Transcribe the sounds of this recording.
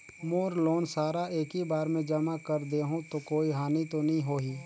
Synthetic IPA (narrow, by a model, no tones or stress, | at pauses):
moːɾloːnsaːɾaʔeːkibaːɾmẽd͡ʒɐmakɐɾd̪eːɦũt̪okoːiɦaːnit̪onɐɦĩɦoːɦiː